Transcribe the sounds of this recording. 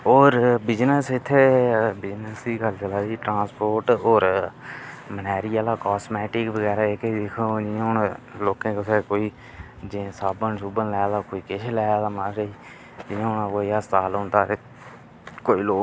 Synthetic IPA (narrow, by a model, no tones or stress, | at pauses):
oːɾbɪd͡ʒnəsɪt̪ʰːeːbɪd͡ʒnəsd̪iːkəlt͡ʃəlaːd̪iːʈɾãːspoːɾʈoːɾ | mənɛːɾiːaːlaːkɔːsmɛːʈɪkʋəɡɛːɾaːeːked̪ɪkʰod͡ʒɪãʊnloːkẽːkəseːkoːiː | d͡ʒẽsaːbənsubənlɛːd̪aːkoːiːkɪʃʰlɛːd̪aːmaːɾiː | d͡ʒɪãːɦʊnãːkoːiaːst̪aːlɦʊ̃nd̪aːɾe | koːiːloː